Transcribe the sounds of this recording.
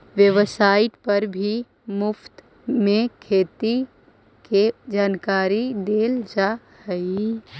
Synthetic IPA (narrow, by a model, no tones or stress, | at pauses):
ʋjeʋəsaːɪʈpəɾbʱi | mʊpʰt̪ | mẽkʰeːt̪i | ked͡ʒaːnkaːɾid̪eːld͡ʒa | həi